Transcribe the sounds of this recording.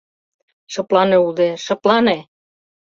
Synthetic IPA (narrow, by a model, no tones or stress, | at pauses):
ʃɤ̆plɑneud̪eʃɤ̆plɑne